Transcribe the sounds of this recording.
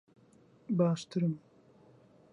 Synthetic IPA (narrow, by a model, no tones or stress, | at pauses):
baːʃt̪ʰɨɾɨm